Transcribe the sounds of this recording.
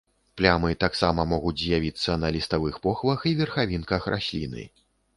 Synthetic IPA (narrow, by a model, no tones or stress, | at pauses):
plʲamɨt̪aksamɐmɔɣud͡zʲzʲjavʲit̪sːɐnɐlʲist̪avɨxpɔxvɐxivʲɛrxavʲinkɐxrʔa̰sʲlʲḭnɨ̰